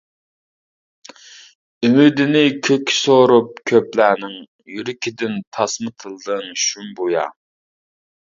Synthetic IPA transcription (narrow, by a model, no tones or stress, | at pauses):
ymyd̪ɪnɪkʲʰøkʲʰːi̥soɾup̚kʲʰøplæːnɪŋ | jyɾɪkʲʰid̪ɪnt̪ʰɑsmɨt̪ʰɨlˠd̪ɨŋʃumbojɑ̰